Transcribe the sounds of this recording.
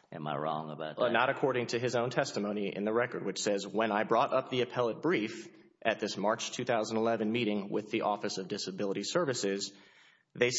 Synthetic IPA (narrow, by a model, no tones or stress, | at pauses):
ɨ̰̃ma̰ɪɹɔ̰̃ŋəbaʊtnəɾɨkʰɔɹɾɪ̃ŋtʰɨɨzõʊ̃ntʰɛstəmõʊ̃niɪ̰̃nðɨɹɛkə˞d̚wɨt͡ʃsɛzwə̃naɪbɹɔɾʔʌp̚ðiɨpʰɛlˠət̚b̥ɹif | ʔɨt̪̚ðɪsmɑɹt͡ʃtʰʉθaʊzn̩ɪlɛvɨ̃nmiɾɪ̃ŋwɪ̰ðiʔɔfɨsʌvdɪsɨbɪlˠəɾisɜ˞vɨsɪz | ðeɪ